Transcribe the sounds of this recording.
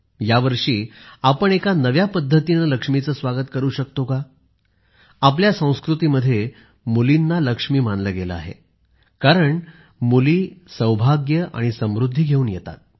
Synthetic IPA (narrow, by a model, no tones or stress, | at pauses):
jaʋəɾʂiːapəɳekanəʋjapəd̪ʱːət̪inələkʂmit͡səːsʋaɡət̪kəɾuːɕək̚t̪oka | apljasə̃w̃skɾut̪iːməd̪ʱːje | mulinːaləkʂmiːmanləɡelə̰a̰ɦḛ | kaɾəɳ | muliːsəwbʱaɡjəʔa̰ɽ̃isəmɾud̪ʱːiɡʱeuːnjet̪a̰t̪̚